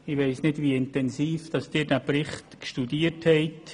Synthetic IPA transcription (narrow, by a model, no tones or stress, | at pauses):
ɪʋeɪsnɪdʋiɪntɛnsiːfd̥ɑsd̥ɪːd̥æprɪχt̪kʃtudiːəthɛɪt